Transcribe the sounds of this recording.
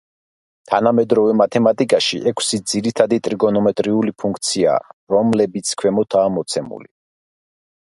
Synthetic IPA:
t̪ʰanamɛd̪ɾɔvɛmat̪ʰɛmat̪ʼikʼaʃḭʔɛkʷʰsid̪ziɾit̪ʰad̪it̪ʼɾiɡɔnɔmɛt̪ʼɾiulipʰuŋk̚ʰt̪sʰia̰ːɾɔmlɛbit̪sʰkʰwɛmɔt̪ʰaːmɔt̪sʰɛmṵli

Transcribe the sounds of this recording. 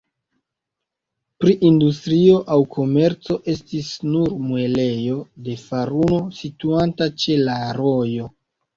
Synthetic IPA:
pɾiʔindustɾio̞ʔawkʰo̞me̞ɾt͡so̞ʔe̞stisnuɾmue̞le̞jo̞de̞faɾuno̞situantat͡ʃe̞laɾo̞jo̞

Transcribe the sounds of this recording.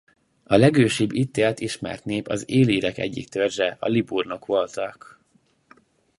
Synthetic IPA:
ɒlɛɡøːʃibːit̪ːeːlt̪iʃmɛ̰rt̪neːpɒzeːliːɾɛkɛ̰ɟːḭk̚t̪ørzɛɒ̰liburnokʋo̞lt̪ɒk

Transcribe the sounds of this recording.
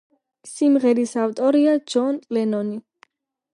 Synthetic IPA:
simʁɛɾisaft̪ʼɔɾiad͡ʒɔnʼlɛnɔni

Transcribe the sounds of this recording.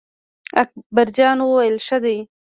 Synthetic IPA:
ak̚baɾd͡ʒɑnwəwajəlʃəd̪aj

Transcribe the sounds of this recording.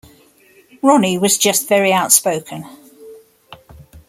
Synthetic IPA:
ɹɒniwɒzd͡ʒʌstv̥ɛɹiaʊtspəʊkʰə̃n

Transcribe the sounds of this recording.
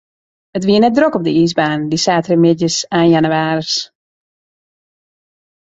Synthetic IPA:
ətʋiənɛt̚drokɔp̚dəiːsbaːndisaːtrəmɪtjəsaːnjanuaːrəs

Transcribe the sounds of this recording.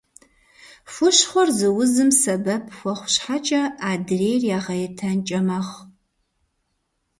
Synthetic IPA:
fʷʊɕχʷɔrzɨwʊzɨmsɐbɐpʰxʷɔχʷɕħat͡ʃʼɐaːdreːjrjaːʁɐjɛtʰɐnt͡ʃʼɐmɐχ

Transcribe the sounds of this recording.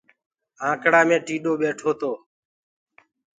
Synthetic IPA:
ãːkɽaːmẽːʈiːɗoːɓeːʈʰoːt̪oː

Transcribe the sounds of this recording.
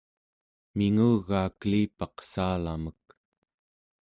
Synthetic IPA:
miŋuɣaːkəliːpɑqsaːlamək̚

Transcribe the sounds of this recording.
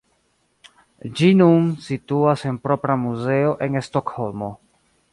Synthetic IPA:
d͡ʒinunsituase̞npɾo̞pɾamuze̞o̞ʔe̞nesto̞kho̞lmo̞

